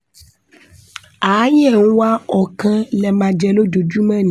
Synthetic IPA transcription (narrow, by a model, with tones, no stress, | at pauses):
a˨˦ɲ˦ɛ˦˨ŋu˦wa˦ɔ˨kɛ̃˦lɛ˨mã˨d͡ʒɛ˨lo˦do˨d͡ʒu˦mɛ̃˦ñ˨